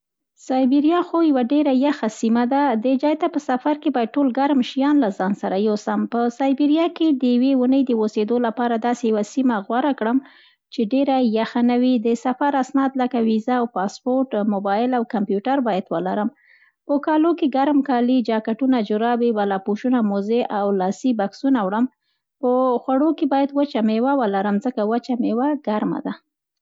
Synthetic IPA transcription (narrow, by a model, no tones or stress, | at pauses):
sɑjbiɾjɑxojawaɖeɾajaxasimad̪ad̪əd͡ʒɑjt̪apəsafaɾkebɑjad̪̚ʈolɡaɾmʃijɑnlazɑnsaɾajosampəsɑjbiɾijɑked̪əjawewunəjd̪əwosed̪olapɑɾad̪ɑsejawasimaɣwaɾakɽəm | t͡ʃeɖeɾajaxanawid̪əsafaɾasnɑd̪ləkawizaːwpɑspoɾʈmʊbɑjɪlawkampjuʈaɾbɑjad̪wəlaɾəm | pəkɑlokeɡaɾmkɑlid͡ʒɑkaʈunad͡ʒʊɾɑbiwalɑpuʃunamozeʔawlɑsibaksunawɽəm | pəxwaɽokebɑjad̪wət͡ʃamewawəlaɾəmzəkawat͡ʃamewaɡaɾma̰d̪a